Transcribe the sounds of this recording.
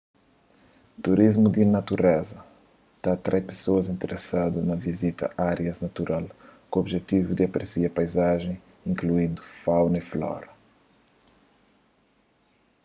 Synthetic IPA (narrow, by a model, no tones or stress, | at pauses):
t̪uɾizmud̪ɪnɐt̪uɾɛzɐ | t̪at̪ɾɛpe̥soɐzĩnt̪eɾʔesad̪unɐvizit̪ɐ̰ʔaɾjɐznɐt̪uɾʔalkoobʒet̪ivud̪ɪɐpɾesiɐpajzaʒẽj̃ | ĩŋkluĩnd̪ufawnɐiflɔ̰ɾɐ